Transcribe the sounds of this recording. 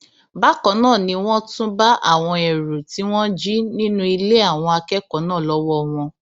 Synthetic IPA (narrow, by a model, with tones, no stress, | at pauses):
ba˨˦kɔ˨˦nãː˦˨nĩ˧w̃ɔ̃˦tũ˦ba˦ʔa̰˦˨w̃ɔ̃˧ɛ˨ɾu˨ti˨˦w̃ɔ̃˦d͡ʒi˦nĩ˦nũ˦i˧le˦a˦˨w̃ɔ̃˧a˧kɛ˦kɔ˨˦nãː˦˨lɔ˦wɔ˦w̃ɔ̃˧